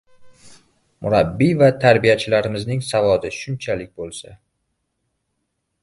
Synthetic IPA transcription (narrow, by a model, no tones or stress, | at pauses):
mʔʊɾabːivat̪ʰaɾbijat͡ʃʰɪlaɾɪmɪznɪŋsavɒd̪ɪʃʊnt͡ʃʰalɪk̚ʲbolˠsa